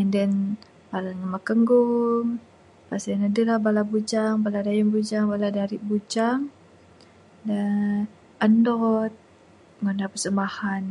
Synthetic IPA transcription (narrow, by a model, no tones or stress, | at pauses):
ɛndɛn | balaɲəmakəŋɡʊŋ | pasnadilabalabud͡ʒaŋbaladajəmbud͡ʒaŋbaladaɾiʔbud͡ʒaŋ | də | əndɔt̪̚ | ŋondapəsəmbahan